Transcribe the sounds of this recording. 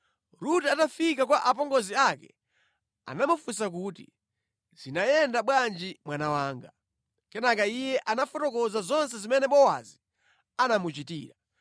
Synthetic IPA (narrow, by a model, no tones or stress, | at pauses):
ɾutatafikakwaʔap̬ɔŋɡɔziakɛ | a̰namufus̬ak̬uːtḭ | z̥inajɛndaɓwand͡ʒimwanawaːŋɡa | kɛnakaijɛʔanafɔtɔkɔzazɔnsɛzimɛnɛɓɔwa̰zi | anamut͡ʃitiːɾa